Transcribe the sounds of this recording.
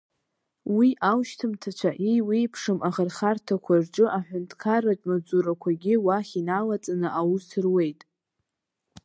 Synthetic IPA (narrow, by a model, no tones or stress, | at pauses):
wiʔawʃtʰɨmtʰat͡ʃʷʰaʔiwipʰʂɨmʔaʁərχartʰakʷʰarʈ͡ʂʼɨʔaħʷᶣʊntʰkʰaratʼmad͡zuɾakʷʰaɡʲɪwaχʲinalat͡sʼanɨʔawusɨrwe̞jtʼ